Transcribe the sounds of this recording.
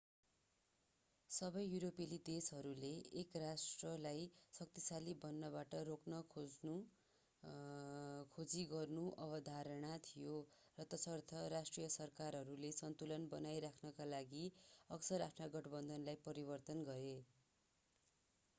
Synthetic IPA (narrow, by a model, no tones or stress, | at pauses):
sʌbʌjːuɾopelid̪esɦʌɾuleːkrasʈrʌlajsʌk̚t̪isalibʌnːʌbaʈʌroknʌkʰu | kʰod͡ziɡʌrnuʔʌbʌd̪ʱaɾʌɽ̃at̪ʰijo | rʌt̪ʌsʌrt̪ʰʌɾasʈrijʌsʌrkaɾɦʌɾulesʌnt̪ulʌnbʌnajɾakʰnʌkalaɡiʌksʌɾapʰnaɡʌʈbʌnd̪ʱʌnlajpʌɾibʌrt̪ʌnɡʌɾe